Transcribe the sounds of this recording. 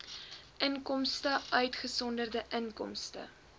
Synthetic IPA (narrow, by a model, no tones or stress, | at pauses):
ʔənkɔmstəœɥtχəsɔndərdəʔəŋkɔ̰mstə̰